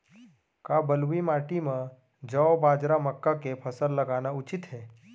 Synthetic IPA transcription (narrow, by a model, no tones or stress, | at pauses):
kabəlʋimaːʈimã | d͡ʒəʋbaːd͡ʒɾaməkːakepʰəsəlːəɡaːnaʊt͡ʃɪt̪ɦɛː